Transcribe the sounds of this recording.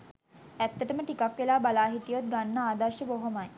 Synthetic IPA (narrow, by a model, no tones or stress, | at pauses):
æt̪ːəʈəməʈikakʋelaːbalaːɦiʈijot̪̚ɡanːəaːd̪ɐrʃəboɦomaj